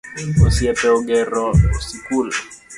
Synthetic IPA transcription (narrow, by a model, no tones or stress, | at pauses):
osjɛpɛɔɡɛɾɔsikul